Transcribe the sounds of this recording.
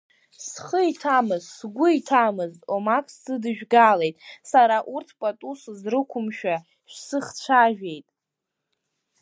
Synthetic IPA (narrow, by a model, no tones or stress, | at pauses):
sχəitʰamɨzsɡʷʊitʰamɨztʼomakʰʼsɨdɨʒᶣɡale̞jtʼsaɾaʔurtʰpʼatʼuszrɨkʷʰʊmʃᶣa | ʃᶣsɨχt͡ɕʷʰaʒᶣe̞jtʼ